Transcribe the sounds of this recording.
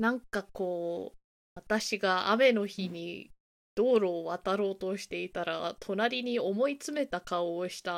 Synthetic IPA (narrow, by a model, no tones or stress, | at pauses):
nãŋkako̞ː | βat̪aɕiɡaa̰me̞no̞çiɲ̟i | d̪̥o̞ːɾo̞ːβat̪aɾo̞ːt̪o̞ɕi̥t̪e̞it̪aɾat̪ʰo̞naɾʲiɲ̟io̞mo̞it͡sɨme̞t̪akao̞ːɕi̥t̪a